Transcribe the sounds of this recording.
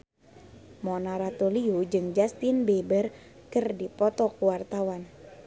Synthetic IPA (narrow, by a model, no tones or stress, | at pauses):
mɔnaɾat̪oliud͡ʒɨŋd͡ʒast̪inbebər | kɨrdipɔt̪ɔkuwart̪awan